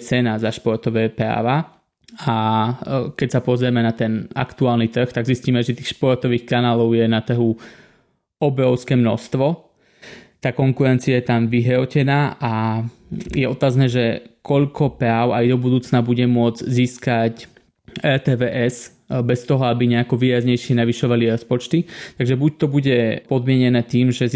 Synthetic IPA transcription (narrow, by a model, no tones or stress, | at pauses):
t͡sɛnazaʃpɔɾt̪ɔʋɛːpɾa̰ːʋa | a | kɛcsapɔzɾɛmɛnat̪ɛna̰kt̪uaːlnit̪r̩xt̪aɡzisciːmɛʒɛt̪iːxʃpɔɾt̪ɔʋiːxkanaːlɔʊjɛnat̪r̩ɦu | ɔbɾɔʊskɛːmnɔ̰st̪ʋɔ | t̪aːkɔŋkuɾɛnt͡siajɛt̪amʋiɦɾɔcɛnaːʔa | jɛɔt̪aːznɛːʒɛkɔʎkʰɔpɾaːʊajd̪ɔbud̪uːt͡snabuɟɛmʊɔd͡zziːskac | ɛt̪ɛːʋɛːʔɛs | bɛst̪ɔɦɔabiɲɛakɔʋiːɾazɲɛjʃɪɛnaʋiʃɔʋaliɾɔspɔt͡ʃt̪it̪aɡʒɛbuc̚t̪ɔbuɟɛpɔd̪mɪɛɲɛnɛːt̪iːmʒɛ